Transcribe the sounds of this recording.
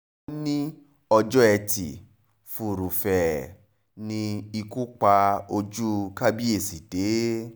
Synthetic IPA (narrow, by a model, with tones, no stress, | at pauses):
nĩ˦ | ɔ˧d͡ʒɔ˦ɛ˧tḭ˨ | fu˨ɾu˨fɛ˨ | nĩ˧i˧ku˦k͡pa˧o˧d͡ʒu˦ka˦bi˦e˦˨si˨d̥e˨˦